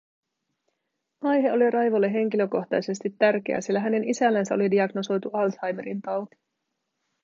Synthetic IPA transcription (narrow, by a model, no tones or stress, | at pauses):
ʔɑjɦe̞o̞lirɑjʋo̞lːe̞ɦe̞ŋk̟ilø̞ko̞xt̪ɑjse̞st̪it̪ːærk̟e̞æ̰silːæɦæne̞nisælːænsæo̞lidiɑɡno̞so̞jt̪uɑlshɑjmeɾint̪ɑwt̪i̥